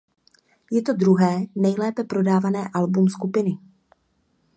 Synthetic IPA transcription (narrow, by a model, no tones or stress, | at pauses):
jɛt̪o̞dɾuɦɛːnɛjlɛːpɛpɾo̞daːvanɛːʔalbumskupɪnɪ